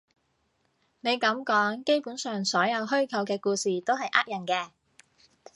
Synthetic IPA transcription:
ne˨˧jkɐ˨˥mkɔː˨˥ŋke˥jpuː˨˥nsœː˨ŋsɔː˨˥jɐ˨˧wɦɵ˥ɥkʰɐ˨˧wkɛː˧kuː˧siː˨t̪o˥wɦɐ˨jʔaː˥t̚jɐ˨˩nkɛː˧

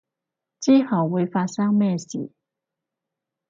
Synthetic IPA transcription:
t͡ɕiː˦˥hɐ˨˩wwu˨˧˦jfa˧t̚sɐ˥ŋmɛː˥˧sḭː˨˩˦

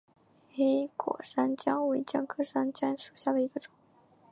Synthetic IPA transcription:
xe˥ɪkwɔ̰˨˩ʂa˥nt͡ɕjɑ˥ŋwe˧˥ɪt͡ɕjɑ˥˩ŋkʰɤ˥ʂa˥nt͡ɕja˥nʂu˨˩ɕja˥˩d̪ə˩i˧˥ɡə˧ʈ͡ʂʊ˨˩˦ŋ

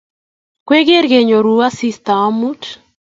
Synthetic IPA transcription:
kwe˦ɡe˦ɾɡe˨ɲo˨ɾu˨a˦si˦st̪a˨a˦mu˦t

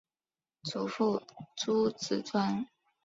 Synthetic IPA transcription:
t͡sʰu˨˧˥fu˥˩t͡sʰu˥t͡sʰɹ̩˨˩t͡sʰwa˥n

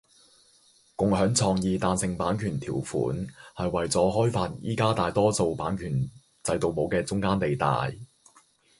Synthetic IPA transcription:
kʊ˨ŋɦœː˨˥ŋt͡sʰɔː˧ŋjiː˨t̪aː˨˧nsɪ˨ŋpaː˨˥nkʰyː˨˩nt̪ʰiː˨˩wfṵː˨˥nhɐ˨jwɐ˨jt͡sɔː˨˥ɦɔː˥jfaː˧t̚jḭː˥kaː˥t̪aː˨jt̪ɔː˥so˨˧wpaː˨˥nkʰyː˨˩n | t͡sɐ˧jt̪o˨wmo˨˧wkɛː˧t͡sʊ˥ŋkaː˥nt̪e˨jt̪a̰ː˨j

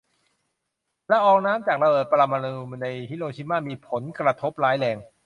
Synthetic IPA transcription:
lɛ˦˥ʔɔː˧ŋnaː˦˥mt͡ɕaː˨˩k̚ɾa˧bɤː˨˩t̪̚pa˧ɾa˧ma˧na˧nu˧mna˧jhi˦˥loː˧t͡ɕʰi˧˥maː˥˩miː˧pʰo˩˦nkɾa˧t̪ʰo˦˥p̚laː˦˥jlɛː˧ŋ

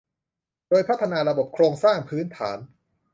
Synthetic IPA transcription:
doː˧jpʰa˦˥t̪ʰːa˧naː˧ɾa˧bo˨˩p̚kʰɾoː˧ŋsaː˥˩ŋpʰɯː˦˥nt̪ʰa̰ː˩˦n

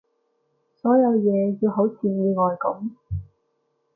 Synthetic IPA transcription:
sɔː˨˥jɐ˨˧wjɛː˨˧ji˧wɦo˨˥wt͡sʰiː˨˧jiː˧ŋɔː˨˧jkʊ̰˨˥m

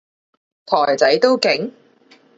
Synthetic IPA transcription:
t̪ʰɔː˨˩jt͡sɐ˨˥jt̪o˥wkɪ˨˥ŋ

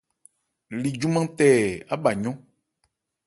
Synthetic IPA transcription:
li˨d͡ʒu˦mã˦t̪ɛ˦˨a˦ɓa˨ɲɔ̃˦

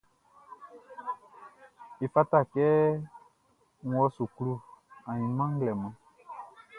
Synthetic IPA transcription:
i˨fa˦ta˦˨kɛː˦ | n˦ɔ˦su˨klu˦˨ã˨jĩ˨n˦mã˦ŋ˦ɡlɛ˨mã˨

